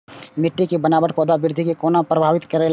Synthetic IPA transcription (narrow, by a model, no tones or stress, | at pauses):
mɪʈːikibənaːbəʈpoːd̪aʋɪɾd̪ʱikekoːnapɾəbʱaːʋɪt̪kəɾel